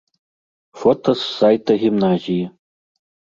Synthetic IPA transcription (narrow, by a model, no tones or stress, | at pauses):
fot̪ʰosːajt̪ʰɐɣʲimnazʲijɐ